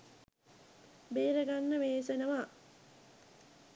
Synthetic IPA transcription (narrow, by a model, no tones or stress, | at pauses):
beːɾəɡanːəʋeːsenəʋaː